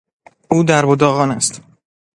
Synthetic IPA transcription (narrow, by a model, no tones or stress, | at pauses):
uːd̪æɾbod̪ɒːɣɒːnæst̪